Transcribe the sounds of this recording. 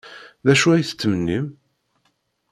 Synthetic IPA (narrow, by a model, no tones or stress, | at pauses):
ðæʃuæjθə̥t͡sːmənːim